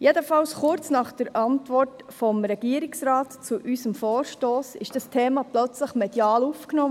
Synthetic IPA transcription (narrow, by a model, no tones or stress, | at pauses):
jed̪əfɑlsχʊɾt͡snɑχd̥əɾʔɑntʋɔrtfɔmɾɛɡ̥iəɾiksɾɑːtt͡suʔysəmfɔːɾʃtoːsɪʃd̥ɑstʰeːmɑplœt͡sləχmɛd̥jɑːlufknɔː